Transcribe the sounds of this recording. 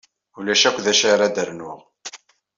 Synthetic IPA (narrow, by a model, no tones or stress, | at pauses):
ulæʃækʷːðæʃaɾad̪əɾnʊʁ